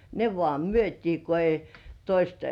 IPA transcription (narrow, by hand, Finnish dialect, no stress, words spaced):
ne ʋŏɑˑ myøtʲiː ko ei toist